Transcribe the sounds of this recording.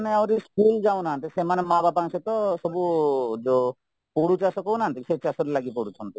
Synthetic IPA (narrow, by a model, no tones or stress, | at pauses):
neawɾiskuld͡ʒawnaant̪isemanemababaŋset̪ɔsɔbud͡ʒo | poɽut͡ʃasokownaɦːnt̪iset͡ʃasoɾlaɡipoɽut͡ʃʰɔnt̪i